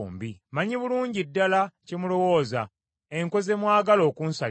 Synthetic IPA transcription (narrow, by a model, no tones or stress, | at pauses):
mbimaɲiβuluːɲɟidːalacemulo̞wo̞ːza̰ | e̞ŋko̞ze̞mwaːɡalo̞ːkunsal